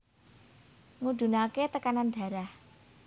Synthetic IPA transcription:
ŋud̪̥ṳnaket̪əkanand̪̥a̤ɾah

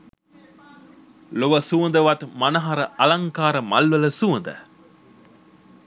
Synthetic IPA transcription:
loʋəsuɐnd̪əʋɐt̪mɐnɐɦaɾəʔɐlɐŋkaːɾəmɐlʋələsuɐnd̪ə̰

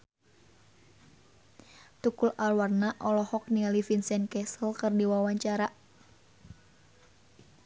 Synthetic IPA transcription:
t̪ukulalwarnaʔɔlɔhɔk̚nialifinsɛnkɛsəlkərdiwawaɲt͡ʃaɾa

